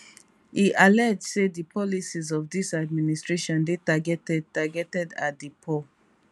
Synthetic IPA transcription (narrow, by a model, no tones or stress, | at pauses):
iʔalɛdsedipɔlisizɔfdisad̚ministɹeʃɔ̃ndetaɡɛtɛd̚taɡɛtɛdatdipʰɔ